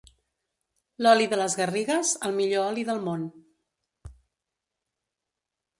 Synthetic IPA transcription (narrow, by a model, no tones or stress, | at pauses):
lɔliðələzɣəriɣəzəlˠmiʎoɔliðəlˠmon